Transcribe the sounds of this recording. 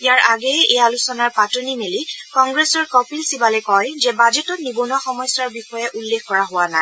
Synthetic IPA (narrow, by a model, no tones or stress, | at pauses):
ijaɹʔaɡɛejalusɔnaɹpatonimelikɔŋɡɹɛsɔɹkɔpilsibalɛkɔjzɛbad͡ʒɛtɔtnibɔnuwaxɔmɔjsaɹbixɔjɛʔulːexkɔɹaɦʊwanaɪ